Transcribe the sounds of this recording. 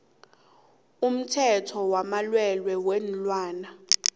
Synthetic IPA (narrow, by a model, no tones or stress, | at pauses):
um̩tʰɛtʰɔwamalwɛlwɛwɛn̩lwaːna